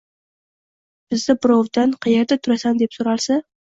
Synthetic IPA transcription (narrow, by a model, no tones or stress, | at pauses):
b̥ɪzd̪ɪbɾɒvd̪anqʰɑjeɾd̪at̪ʰʊɾasand̪e̞psoɾalˠsa